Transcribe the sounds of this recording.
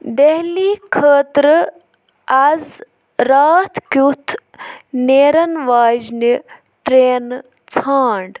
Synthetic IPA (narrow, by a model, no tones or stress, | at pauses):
d̪eɦliːkʰəːt̪ɾ | ɐz | ɾaːt̪ʰkjut̪ʰneːɾɐnʋaːd͡ʒni | ʈɾeːn | t͡sʰaːɳɖ